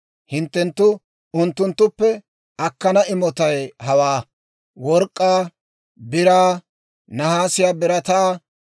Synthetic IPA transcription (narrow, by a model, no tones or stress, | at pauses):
hɪnt̪ːɛnt̪ːʊ | ʊnt̪ːʊnt̪ːʊpːɛ | ɐkːɐnɐʔɪmɔt̪ɐjɦɐwaː | wɔɾkʼːaː | bɪɾaː | nɐhaːsɪjaːbɪɾɐt̪aː